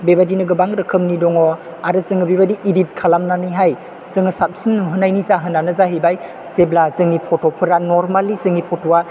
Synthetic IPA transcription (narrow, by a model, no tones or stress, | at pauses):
bebadinɯɡɯbaŋɾɯkʰɯmnidɔŋɔ | aɾɯsɯŋɯbebadiʔidit̚kʰalamnanɯjɦaj | sɯŋɐsap̚sinɦɯnajnizaɦɯnanɯzaɦibaj | seblazɯŋːipʰɔtʰɔpʰɯɾanɔɾmalːizɯŋipʰɔtʰowa